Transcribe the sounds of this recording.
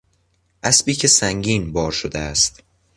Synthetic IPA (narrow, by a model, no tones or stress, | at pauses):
ʔæsbiːcʰe̞sæŋɟiːnbɒːɾʃod̪eæst̪